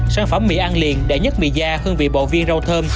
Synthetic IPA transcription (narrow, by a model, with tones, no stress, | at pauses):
saː˨˧˦nfə˧˩˦mːḭ˧˨˥ʔaː˧nlḭ˨ənɗḛ˧˩˦ɲə˦˥t̚mḭ˧˨zaː˧xɨ˧əŋvḭ˨˧˨ɓo̰˧˨vi˧ənzə˧wt̪ʰəː˧m